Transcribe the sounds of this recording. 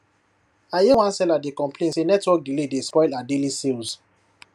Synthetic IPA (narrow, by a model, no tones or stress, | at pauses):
ajewãnsɛladekɔ̃mpʰlẽnsenɛtwɔk̚ɡiledespɔɪladelisels